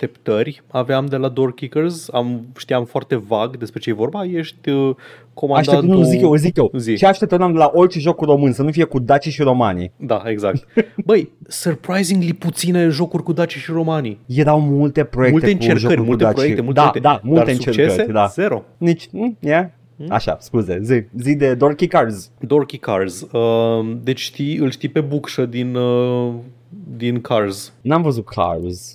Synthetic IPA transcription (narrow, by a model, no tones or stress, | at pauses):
t̪e̞pt̪ərʲaveamd̪e̞lad̪orkʲikərzamʃt̪ijamfoart̪e̞vaɡd̪e̞spɾet͡ʃejevo̞rbajeʃt̪ʲə | kʰo̞maaʃʃd̪aenuzikjewzikjewzit͡ʃeaʃt̪e̞p̚t̪ənamd̪e̞laʔo̞rt͡ʃeʒo̞kurro̞mɨnsənufije̞kud̪at͡ʃiʃiɾo̞ma̰nḭd̪aeɡzakt̪bəjsərpɾajziŋɡliput̪sineʒo̞kurʲkud̪at͡ʃiʃiɾo̞manijeɾawmult̪e̞pɾojekmult̪eeɨneʒoəɾuɾmulut̪eapojekitemuld̪at̪ed̪amullaeɨnt͡ʃerekəɾd̪azeɾonit͡ʃʲm̩ja | a̰ʃa̰skuzezizid̪e̞d̪o̞rkʲikarzd̪orkʲikarzəd̪et͡ʃʲʃt̪iɨlʃt̪ipe̞bukʃəd̪inə | d̪inkʰarznamvəzut̪̚kʰa̰rz̥